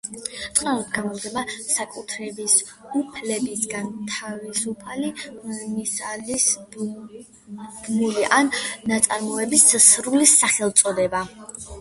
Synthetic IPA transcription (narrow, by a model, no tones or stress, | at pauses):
t̪ʼnanɔt̪ɡamɔmd̪ɛmasakʼut̪ʰɾɛbis | upʰlɛbisɡant̪ʰavisupʰalimisalis | bnuliʔanːat̪sʼaɾmɔɛbissɾulisaχɛlˠt̪sʼɔd̪ɛba